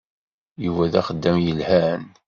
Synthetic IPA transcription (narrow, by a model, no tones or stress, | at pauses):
jəwæðæχəd̪ːæmjəlhæn